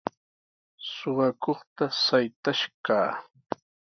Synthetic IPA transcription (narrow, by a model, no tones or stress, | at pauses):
soɢɑkoχt̪asajt̪aʃkaː